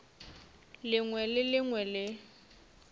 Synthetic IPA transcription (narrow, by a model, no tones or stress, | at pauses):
lɪŋwɛlɪlɪŋwɛlɪ